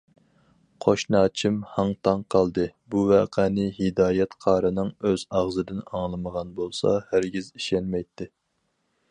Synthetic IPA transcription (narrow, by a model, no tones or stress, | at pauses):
qʰoʃnɑːt͡ʃʰimhɑŋt̪ʰɑŋqʰɑlˠd̪ɨbuvæːqʰænɪɦɪd̪ɑːjɛt̪qʰɑːɾɨnɨŋøzɑʁzɨd̪ɪnɑŋlˠɨməʁɑnbolˠsɑ̰hæɾɡʲiziʃɛnmɛjt̪ʰːɪ